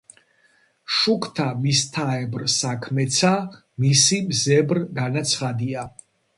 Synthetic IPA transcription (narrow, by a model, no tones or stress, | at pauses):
ʃukʰt̪ʰamist̪ʰaɛbɾsakʰmɛt̪sʰa | misimzɛbɾɡanat̪sʰχad̪ia